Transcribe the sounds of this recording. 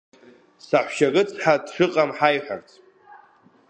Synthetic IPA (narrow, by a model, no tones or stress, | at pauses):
saħʷʃaɡɨt͡sʰħadχʲɨqʼamħajħʷa̰rt͡sʰʼ